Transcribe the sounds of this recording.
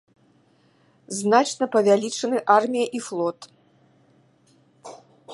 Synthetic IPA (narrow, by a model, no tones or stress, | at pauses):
znat͡ʂnɐpɐvʲalʲit͡ʂɐnɨʔarmʲijɐʔiflˠɔt̪